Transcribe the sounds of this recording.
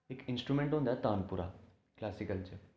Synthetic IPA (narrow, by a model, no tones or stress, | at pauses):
ekinsʈɾumẽɳʈɦũnd̪jat̪aːnpuɾa̰ | klasikəlt͡ɕe